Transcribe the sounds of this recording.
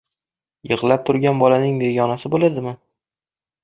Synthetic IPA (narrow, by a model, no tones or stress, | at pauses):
jɨʁlˠap̚t̪ʰʊɾɡʲanbɒlanɪŋbeɡɒnasɪbolad̪ɪmɪ